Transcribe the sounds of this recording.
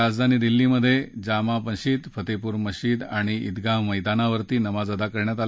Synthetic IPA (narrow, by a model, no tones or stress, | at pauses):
ad͡zd̪ʱaniːd̪ilːiməd̪ʱːjed͡ʑamapənɕiːt̪fʰət̪epuːɾməɕiːd̪aɽ̃iid̪ɡaɦməjd̪anaʋəɾt̪iːnəmad͡zəd̪akəɾɳjat̪a